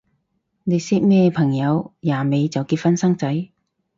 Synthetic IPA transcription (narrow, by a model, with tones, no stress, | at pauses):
ne˨˧jsi˥k̚mɛː˥pʰɐ˨˩ŋjɐ˨˧wjaː˨˩me˨˧jt͡sɐ˨wki˧t̚fɐ˥nsɐ˥ŋt͡sɐ˨˥j